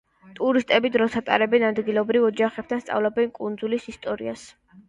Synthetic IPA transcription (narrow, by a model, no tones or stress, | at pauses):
t̪ʼuɾist̪ʼɛbid̪ɾɔsʰat̪ʼa̰ɾɛbɛnad̪ɡilˠɔbɾivɔd͡ʒaχɛp̚t̪ʰanst̪sʼa̰vlɔbɛnkʼund̪zulisist̪ʼɔɾḭas